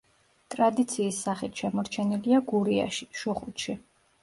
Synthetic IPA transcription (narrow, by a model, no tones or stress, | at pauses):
t̪ʼɾad̪it̪sʰiːsːaχit̪ʰʃɛmɔɾt͡ʃʰɛniliaɡuɾia̰ʃi̥ʃɔχut̪ʃi